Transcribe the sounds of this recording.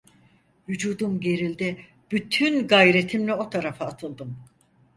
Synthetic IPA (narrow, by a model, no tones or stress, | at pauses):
vyd͡ʒuːd̪umɟe̞ɾilʲd̪ɛ | b̥yt̪ʰynɡajɾe̞t̪ʰimlʲɛo̞t̪ʰaɾafɯːt̪ʰɯlˠd̪ɯm